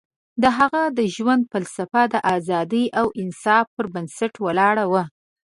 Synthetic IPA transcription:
d̪əɦaɣad̪əʒwand̪̚falsafad̪əʔazɑd̪əjʔawɪnsɑfpəɾbansaʈwəlɑɽawa

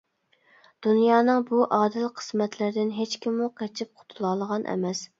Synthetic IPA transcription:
d̪̥unjɑːnɨŋbuʔɑːd̪ɪlqʰə̥smɛt̪ʰlɪɾd̪ɪnɦet͡ʃkʲʰimuq̚ɛt͡ʃʰip̚qʰʊ̥t̪ʰulˠɑlˠəʁɑnʔɛ̰mɛs

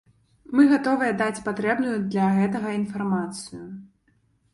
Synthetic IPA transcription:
mɨɣat̪ɔvɨjɛd̪at͡sʲpat̪ɾɛbnujud̪lʲɐɣɛt̪ɐɣɐinfarmat̪sɨju

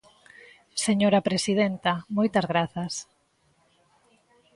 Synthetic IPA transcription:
seɲoɾapɾesið̞ent̪amojt̪ɐzɣɾaθɐs

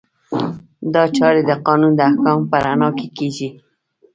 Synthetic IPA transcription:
d̪ɑt͡ʃɑɾed̪əqɑnund̪əahkɑmpəɾanɑkekeɡi

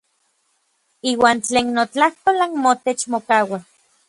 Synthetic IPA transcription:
iːwaːnt͡ɬeːnːot͡ɬaht̪olaŋmot̪et͡ʃmokaːwa

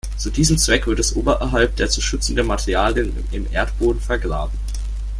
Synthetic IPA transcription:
t͡suːdiːzəm̩t͡sv̥ɛkv̥ɪɐtɛsʔoːbɐʔɛɦalp̚d̥eːɐt͡suʃʏt͡sn̩dematʰɛʁiaːljən | ɪmʔḛːɐtb̥oːdn̩fɛɐɡʁa̰ːbm̩

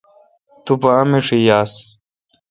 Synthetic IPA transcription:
t̪upɐːmiʂijaːs

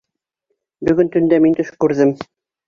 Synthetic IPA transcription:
bɵ̆ɡɵnt̪ɵ̆nd̪æmint̪ɵʃkʉɾðɘm

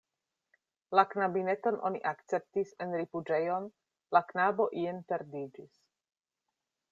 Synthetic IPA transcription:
laknabine̞to̞nʔo̞̰niʔakt͡se̞p̚tisenɾifud͡ʒe̞jo̞n | laknabo̞ʔienpe̞ɾdid͡ʒis

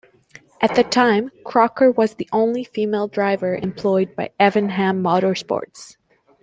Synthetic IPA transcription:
ʔɨt̪̚ðɨtʰãɪ̃mkʰɹ̥ɑkə˞wʌzðiʔõʊ̃nlifimeɪlˠdɹaɪvə˞ʔɨ̰̃mpʰl̥ɔɪd̚baɪɛvɨ̃nɦæ̃mːɑɾə˞spɔ̰ɹts

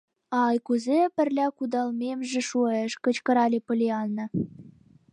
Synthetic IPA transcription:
ɑɑjkuzepə̆rlʲækud̪ɑlmemʒĕʃueʃkə̆t͡ɕkɤ̆ɾɑlʲepɤ̆lʲeɑlnɤ̆

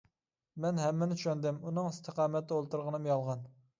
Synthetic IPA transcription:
mɛnɦɛmːɪnɪt͡ʃʰyʃɛnd̪ɪmunɨŋɪst̪ʰəqʰɑːmɛt̪ːɛolˠt̪uɾʁənɨmjɑlˠʁɑn

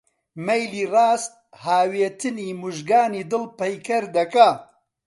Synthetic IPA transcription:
mɐjliːrɑːst̪̚ | haːweːt̪ʰɨniːmuʒɡaːniːd̪ɨlpɐjkɐɾd̪ɐka

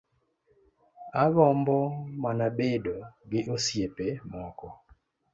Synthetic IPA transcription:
aɡɔmbɔmanabedoɡɪʔosjepemɔkɔ

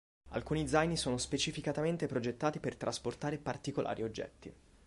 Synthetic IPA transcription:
a̰lkuːnid̪zajnisoːnospet͡ʃifikat̪ament̪epɾod͡ʒet̪ːaːt̪ipert̪ɾʔasport̪aːɾepart̪ikolʔa̰ːɾʔiod͡ʒːɛ̰t̪ːi

